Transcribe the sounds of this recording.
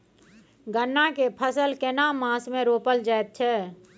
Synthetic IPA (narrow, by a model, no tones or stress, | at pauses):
ɡənːakepʰəsəlkenamãːsmẽɾoːpəld͡ʒajt̪̚t͡ʃʰɛː